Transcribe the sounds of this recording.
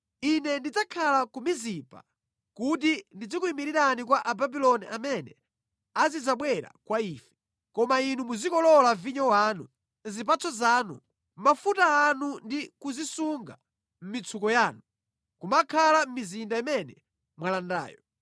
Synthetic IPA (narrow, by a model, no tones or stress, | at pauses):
inɛndid͡zakʰalakumizipa̰ | kut̬indid͡zikuimiɾiɾanik̬waʔababilɔniʔamɛnɛ | azid͡zaɓwɛɾa̰kwaiːfɛ̥ | kɔmainumuzikɔlɔlaviɲɔwaːnu | nzip̬at͡sʰɔzaːnṵ | m̩mafutaːnundikuzisuŋɡa̰ | m̩mit͡sʰukɔjaːnu | kumakʰalam̩mizindaimɛnɛ | mwalanda̰ːjɔ